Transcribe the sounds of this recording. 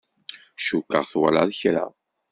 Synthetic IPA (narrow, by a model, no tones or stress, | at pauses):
ʃukːəʁθwæ̰laðçɾa̰